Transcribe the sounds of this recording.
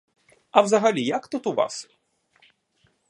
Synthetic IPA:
ɐwzɐɣalʲijɐkt̪ut̪uva̰s

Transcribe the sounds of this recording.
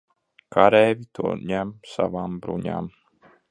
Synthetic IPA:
kʰaɾɛːvʲit̪uɔɲæmsa̰vaːmbɾṵɲa̰ːm

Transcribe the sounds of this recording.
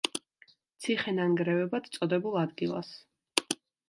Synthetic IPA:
t̪sʰiχɛnaŋɡɾɛvɛbat̪t̪sʼɔd̪ɛbulˠad̪ɡilˠa̰s

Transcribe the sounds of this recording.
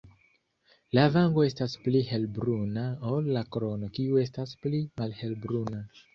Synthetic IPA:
lavaŋɡo̞e̞stasplihe̞lbɾunaolːakɾo̞no̞kiue̞stasplimalhe̞lbɾuna

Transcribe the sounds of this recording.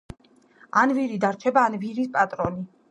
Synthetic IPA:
anviɾid̪aɾt͡ʃʰɛbaːnviɾispʼat̪ʼɾɔli

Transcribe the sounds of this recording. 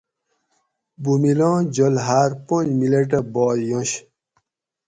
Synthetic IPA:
bumilãːd͡ʑolɦaːɾpõd͡ʑmileʈ̬ɐbɔːjõɕ

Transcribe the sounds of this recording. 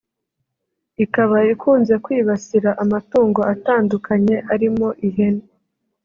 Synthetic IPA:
ikaβaikuːnze̞kwiːβasiɾaʔamatuːŋɡo̞ataːndukʰaɲe̞ʔaɾimo̞ʔiɦe̞ne

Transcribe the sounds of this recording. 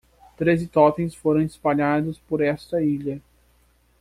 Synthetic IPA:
t̪ɾezɪt̪ɔt̪ẽj̃sfoɾɐ̃w̃ɪspaʎad̪ʊspoɾɛst̪ɐiʎɐ

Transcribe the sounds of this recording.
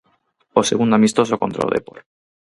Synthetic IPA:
osḛɣund̪amist̪osokont̪ɾo̰lðḛpo̰ɾ

